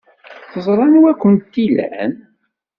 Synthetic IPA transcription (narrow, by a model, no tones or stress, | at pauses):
θəzˤɾˤɑnwækʷːənt̪ːilæ̰n